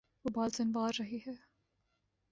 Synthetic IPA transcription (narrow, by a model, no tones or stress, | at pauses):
ʋoːbaːlzɐnʋaːɾːɐɦiɦɛː